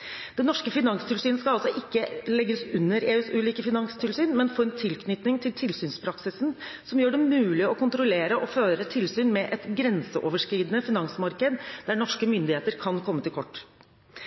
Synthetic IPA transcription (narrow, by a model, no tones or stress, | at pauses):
d̪̥ɛnɔʂkəfɪnɑŋst̪ʰɪlsyːnəskɑɑlsɔʔɪkːəlɛɡːəsʉnːəɾeːʉːsʉːliːkəfɪnɑŋst̪ʰɪlsyːnmɛnfoːɛnt̪ʰɪlkʰnʏt̪nɪŋt̪ʰɪlt̪ʰɪlsyːnspʰɾɑksɪsn̩sɔmjøːɖɛmʉːlɪɔkʊnt̪ɾʊleːɾəʔɔføːɾət̪ʰɪlsyːnmɛʔɛt̪ɡɾɛnsəʔoːʋəʂkɾiːd̪ənəfɪnɑŋsmɑɾkəd̪d̪æɳɔʂkəmʏnd̪ɪheːt̪əɾkʰɑnkʰɔmːət̪ʰɪlkʰɔʈː